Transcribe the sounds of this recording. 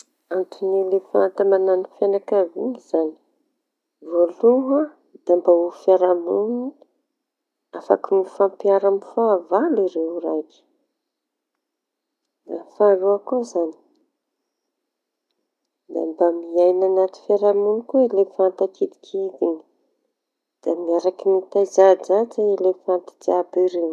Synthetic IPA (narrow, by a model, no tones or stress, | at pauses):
antunilepant̪amananifjanakavḭŋiz̥ani̥ | voluɦa | d̪̥ambaufjaɾamuni | afa̰kinifampiaɾamifavaliɾeuɾaki̥ | na̰faɾuakozani̥ | d̪a̰mbamiajnanat̪i̥faɾamunikuilefant̪akid̪i̥kʰid̪ini̥ | d̪̥amiaɾakinit̪azad͡ʒad͡ʒailefant̪ad͡ʒabiɾew